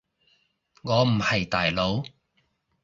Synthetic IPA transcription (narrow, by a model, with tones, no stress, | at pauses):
ŋɔː˨˧m̩˨˩hɐ˨˩jt̪aː˨˩jlo˨˧˥w